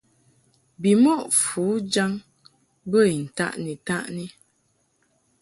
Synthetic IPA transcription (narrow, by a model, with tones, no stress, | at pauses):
bi˨mɔ˦˨ʔfu˨˦d͡ʒa˦ŋ | bə˦˨i˨n̩˨ta̰˦ʔni˨ta˦ʔni˦